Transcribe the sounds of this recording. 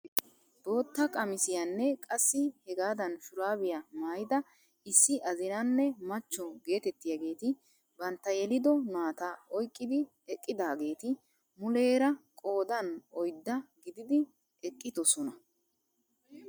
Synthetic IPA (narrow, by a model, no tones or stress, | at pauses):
d̪̥o̞ːt̪ːɐkʼɐmɪsɪjɐnːɛkʼɐsːɪhɛɡaːd̪ɐnʃʊɾaːbɪjɐmaːjɪd̪ɐ | ɪsːɪʔɐzɪnɐnːɛmɐt͡ʃːɔɡe̞ːt̪ɛt̪ːɪjaɡe̞ːt̪ɪ | bɐnt̪ːɐjɛlɪd̪ɔnaːt̪ɐɔjkʼːɪd̪ɪ | ɛkʼːɪd̪aːɡe̞ːt̪ɪ | mʊle̞ːɾɐkʼo̞ːd̪ɐnɔjd̪ːɐɡɪd̪ɪd̪ɪ | ɛkʼːɪd̪ɔsɔnɐ